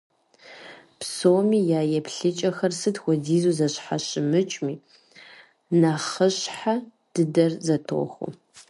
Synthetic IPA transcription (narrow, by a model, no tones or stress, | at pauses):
psoːmiːjaːjɛpʰɬɨt͡ʃʼɐxɐrsɨtxʷɔdiːzuːzɐɕħaɕɪmɨt͡ʃʼmiː | naχəɕħa | d̥ɨdɐrzɐtʰo̰ːxʷʊ̰